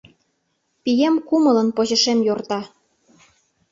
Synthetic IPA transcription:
pijemkumɤ̆lɤ̆npoʑɤ̆ʃemjort̪ɑ

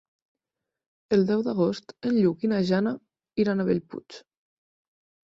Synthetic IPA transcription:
əlˠd̪ɛwðaɣost̪ənʎuɣinaʒana | iɾanaβeʎpṵt͡ʃ

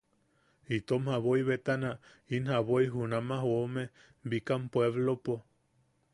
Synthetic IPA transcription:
it̪omhaβoiβet̪ana | inhaβoiɦunamaɦwome | bikampweβlopo

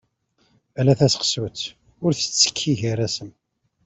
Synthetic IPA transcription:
ælæθæsqswət͡s | ʊɾθə̥t͡sːə̥kʰːiʝæɾæsəm

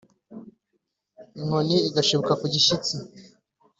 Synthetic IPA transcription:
ŋoniːɡaʃuβokakuɟiʃit͡si

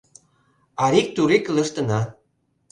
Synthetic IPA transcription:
ɑɾik̚t̪uɾekə̆lə̆ʃt̪ə̆nɑ

